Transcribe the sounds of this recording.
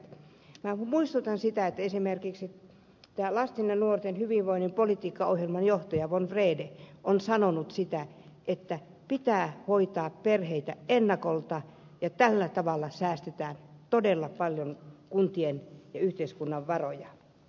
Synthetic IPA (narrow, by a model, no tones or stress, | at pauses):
mæmuist̪ut̪ɑnsit̪æet̪ːæesimerkiksi | t̪æːlɑst̪inːɑnuort̪enhyʋiʋʋoinːimpolit̪iːkːɑohjelmɑnjoht̪ɑjɑʋonfreːdeʔonsɑnonut̪sit̪æ | ʔet̪ːæ | pit̪æːhoit̪ɑːpperheit̪æenːɑkolt̪ɑ | jɑt̪ælːæt̪ɑʋɑlːɑsæːst̪et̪æːnt̪odelːɑpɑljonkunt̪ienjɑyht̪eiskunːɑʋʋɑrojɑ